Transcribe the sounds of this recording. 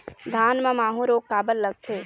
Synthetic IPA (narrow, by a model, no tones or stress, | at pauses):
d̪ʱaːnmãmaːɦũɾoːɡ̚kaːbəlːəɡ̚t̪ʰeː